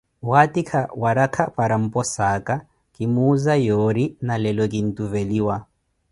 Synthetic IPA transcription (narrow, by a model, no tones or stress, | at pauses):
watʼikʰawaɾakʰapʼaɾam̩pʼɔsaːkʼa | kʼimuːzajoɾinalɛlɔkʼin̩tuveliːwa